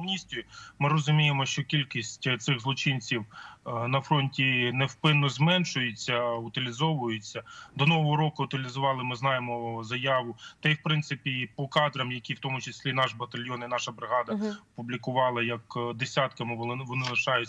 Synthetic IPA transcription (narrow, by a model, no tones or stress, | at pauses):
mnʲisʲt̪ʲʊjimɪɾɔzʊmʲijemɔʃt͡ʃɔkʲilʲkʲisʲtʲt̪sɪɣzlˠɔt͡ʃɪnʲt͡sʲiwnɐfɾɔnʲtʲinɛwpɪnːɔzmɛnʃʊjʊt͡sʲːɐʊt̪ɪlʲɪzɔʋʊjʊt͡sʲːɐd̪ɔnɔʋɔɦɔɾɔkʊʊt̪ɪlʲizʊʋɑlˠɪmɪznɑjemɔzɐjɑʋʊt̪ɐjwpɾɪnt̪sɪpʲipɔkɑd̪ɾɐmjɐkʲiwt̪ɔmʊt͡ʃɪsʲlʲinɑʃbɐt̪ɐlʲjɔninɑʃɐbɾɪɦɑd̪ɐɐpublʲikʊʋɑlˠɐjɐkd̪esʲat̪kɐmɪʋ̪ɪʋɔnɪlˠɐʃɑjʊ